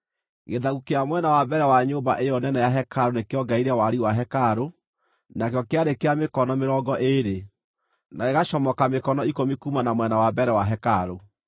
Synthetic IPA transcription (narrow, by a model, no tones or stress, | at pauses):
ɣeðaɣukeamwɛnawabɛɾɛwaɲoːbaʔejɔnɛnɛjaɦɛkʰaɾonekeɔɡaiɾɛwaɾiwaɦɛkaɾo | nakjɔkeaɾekeamekɔnɔmeɾɔɡɔʔeɾe | naeɣaʃɔmɔkamekɔnɔikomikumanamwɛnawabɛɾɛwaɦɛkaɾo